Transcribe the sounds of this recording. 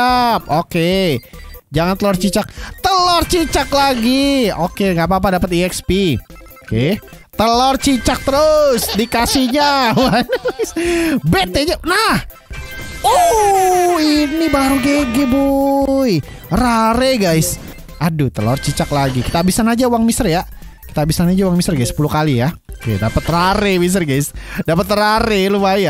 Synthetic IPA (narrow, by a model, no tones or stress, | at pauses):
ap̚oke | d͡ʒaŋant̪əlɔrt͡ʃit͡ʃak̚t̪əlɔrt͡ʃit͡ʃaklaɡiokeŋɡap̬ap̬adapət̪iɛkspioke | t̪əlɔrt͡ʃit͡ʃak̚t̪əɾʊsdikasiɲawansbet̪eɲanah | o | inibaɾuɡeɡeboj | raɾeɡajs | adut̪əlɔrt͡ʃit͡ʃaklaɡiki̥t̪abisanad͡ʒauwaŋmisərja | ki̥t̪abisanad͡ʒawaŋmisərɡaɪsːə̥pulukalijakḛdapət̪ːəraɾemis̬ərɡajsdapət̪ːəɾaɾelubaja